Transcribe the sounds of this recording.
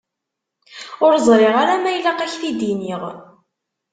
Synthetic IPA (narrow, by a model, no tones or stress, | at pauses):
ʊɾzˤɾˤɪʁaɾamæjlaqæçθid̪iniʁ